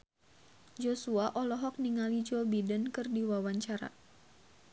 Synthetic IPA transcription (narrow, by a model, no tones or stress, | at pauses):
d͡ʒosuaʔɔlɔɦɔk̚niŋalid͡ʒobidənkɨrdiwawaɲt͡ʃaɾa̰